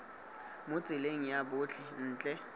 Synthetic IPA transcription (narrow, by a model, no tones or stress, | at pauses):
mʊt͡sʼɪleŋ̩jabʊt͡ɬʰɛn̩ːt͡ɬʼɛ